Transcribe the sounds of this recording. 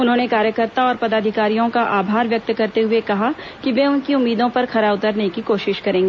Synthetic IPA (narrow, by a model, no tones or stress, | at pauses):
ʊnɦõːnekaːɾjəkəɾt̪aɔːɾpɐd̪aːd̪ʱɪkaːɾijõkaʔaːbʱaːɾʋjɐk̚t̪kɐɾt̪eɦʊekɐɦa | kiʋeʊnkiʊmːiːd̪õpɐɾxʰɐɾaʊt̪əɾnekikoːʃɪʃkɐɾẽːŋɡeː